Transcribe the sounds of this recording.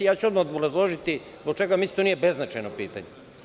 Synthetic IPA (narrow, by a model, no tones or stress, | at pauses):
jaːt͡ɕuod̪maod̪oɾazlˠoʒit̪i | zbok̚t͡ʃeɡamisi̥t̪onijebeznat͡ʃajnopḭːt̪a̰ɲe